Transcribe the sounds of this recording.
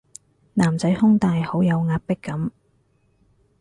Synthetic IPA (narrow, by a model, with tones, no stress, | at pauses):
naː˨˩mt͡sɐ˨˥jhʊ˥ŋt̪aː˨jho˨˥wjɐ˨˧wŋaː˧t̚pɪ˥kːɐ˨˥m